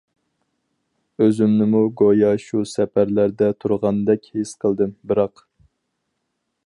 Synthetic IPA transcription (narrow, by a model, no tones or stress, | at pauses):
øzymnɪmuɡojɑʃusɛpæɾlæɾd̪ɛt̪ʰuɾʁɑnd̪ɛkʲhesqʰəlˠd̪ɨmbɨɾɑq